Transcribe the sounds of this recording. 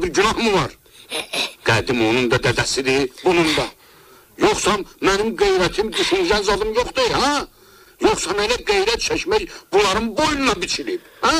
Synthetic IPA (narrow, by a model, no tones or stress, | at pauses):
biɾɟynɑhmɯvɑɾ | ɡ̥æd̪imo̞nund̪ɑd̪æd̪æsid̪ibunund̪ɑ | joχsɑmænimɡejɾæt̪ʰimd̪yʃynyʒænzɑd̪ˠɯmjoχd̪ɯhæ | joχsɑmelæɡejɾæt̪̚t͡ʃʰæʃmæjbulˠɑɾɯmbojnɑbit͡ʃʰilibhæ